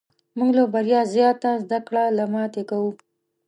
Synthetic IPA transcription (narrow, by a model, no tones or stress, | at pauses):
muŋɡlobaɾjɑzjɑt̪azd̪akɽalamɑt̪ekawu